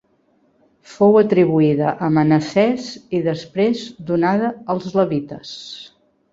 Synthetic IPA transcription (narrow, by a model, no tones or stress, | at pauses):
fowət̪ɾiβuiðə̰ʔəmənəsɛziðəspɾezd̪unaðəəlˠzləβit̪əs